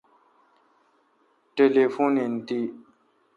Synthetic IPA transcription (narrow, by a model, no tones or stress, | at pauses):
ʈelefonint̪i